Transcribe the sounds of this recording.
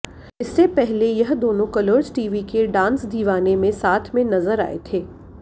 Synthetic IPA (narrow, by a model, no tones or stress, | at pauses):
ɪsːepɛɦlejɐɦd̪oːnõkɐləɾd͡ʒʈiːʋikeɖãːnsd̪ʱiːʋaːnemẽsaːt̪ʰmẽnɐzəɾa̰ːḛt̪ʰeː